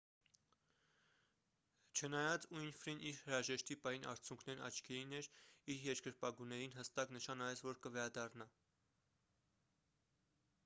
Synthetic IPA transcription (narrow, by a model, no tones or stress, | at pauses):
t͡ʃʰənɑjɑt͡sujnfɾinʔiɾhəɾɑʒɛʃt̪ipɑjinʔɑ̰ɾt͡sʰjuŋkʰnɛɾɑ̰t͡ʃʰkʰɛɾinɛɾiɾjɛɾkəɾpɑɡunɛɾinɦəst̪ɑknəʃɑnɑvɛt͡svɔɾkəvɛɾɑd̪ɑrnɑ